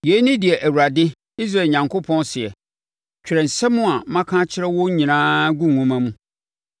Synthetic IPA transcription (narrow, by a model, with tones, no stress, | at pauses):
je˨˦nĩ˦dɪ˨ɛ˨ʔæ˨wu˨ɾa˨dɪ˦ | i˦s̬a˦˨lɲã˨ŋkʰo˦pʰɔ̃˦nsɪ˨ɛ˨ | t͡ɕᶣɪ˨ɾɛ˨n̩˨sɛ˦mũ˦a˨˦mã˦kʰã˦t͡ɕʰɪ˦ɾɛ˦wɔ˦ɲĩ˨nãː˦ɡũ˦˨ŋũ˦mã˦mũ˦